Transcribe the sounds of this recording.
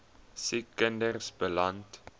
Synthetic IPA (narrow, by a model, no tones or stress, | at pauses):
sikːəndərsbəlant